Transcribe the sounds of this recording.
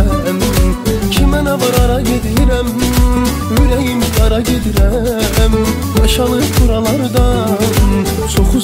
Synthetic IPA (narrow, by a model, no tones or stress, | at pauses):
æmcʰimænævɑɾɑɾɑɟed̪iɾæm | øjæjimʃɑɾɑɟed̪iɾææmn | ɑʃɑlˠɯpʰuɾɑlˠɑɾɯd̪ɑ | sʰoχu